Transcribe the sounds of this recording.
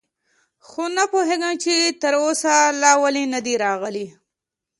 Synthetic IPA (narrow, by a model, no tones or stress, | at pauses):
xonapoɦeɡəmt͡ʃet̪əɾosalɑwalinad̪iɾɑɣəli